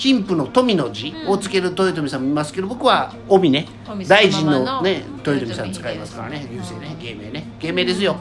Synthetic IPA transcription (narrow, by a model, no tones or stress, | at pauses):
çʲĩmpɯno̞t̪o̞mʲino̞d͡ʑiot͡sɨ̥ke̞ɾɯ̟t̪o̞it̪̬o̞mʲisãmːoimasɨ̥ke̞d̪obo̞kɯ̟βa | obʲine̞ | d̪aiʑĩnːo̞ne̞t̪o̞it̪o̞mʲisãɲ̃t͡sɨ̥kaimasɨ̥kaɾa̰ne̞jʲɯːse̞ːneɡe̞ːme̞̰ːneɡ̥e̞ːme̞ːd̪esɨjo̞